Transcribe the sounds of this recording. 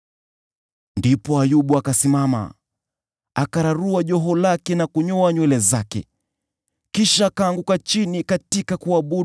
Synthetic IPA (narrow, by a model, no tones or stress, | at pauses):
ndipɔajuɓuakasimama̰ | akaɾaɾuaʄɔɦɔlakɛnakuɲɔaɲwɛlɛzakɛ̰ | kiʃaːkaːŋɡukat͡ʃinikatikakuaɓu